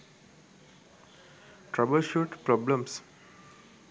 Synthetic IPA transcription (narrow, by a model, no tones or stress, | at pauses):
ʈɾabəlʃoʈpɾɔblə̃ms